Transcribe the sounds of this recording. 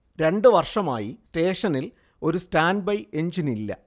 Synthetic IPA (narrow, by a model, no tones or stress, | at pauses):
ɾe̞ɳɖɨʋɐrʂɐma̰ːjiste̞ːʂɐnil | o̞ɾustaːnbɐje̞ɲd͡ʑinilːɐ̰